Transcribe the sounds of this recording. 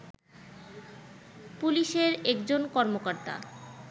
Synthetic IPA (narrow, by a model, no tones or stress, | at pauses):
puliʃeɾɛkd͡ʑonkɔɾmokoɾt̪a̰